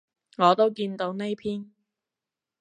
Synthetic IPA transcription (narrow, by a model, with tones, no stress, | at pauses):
ŋɔː˨˧t̪o˥wkiː˧nt̪o˧wne˥jpʰiː˥n